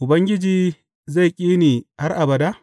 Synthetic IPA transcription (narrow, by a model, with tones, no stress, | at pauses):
ʔʊ˨bɐ˦ŋɡʲɪ˦d͡ʒiː˨ | za˦˨jkʲʼiː˦niː˨ha˦rʔa˨bɐ˨da˦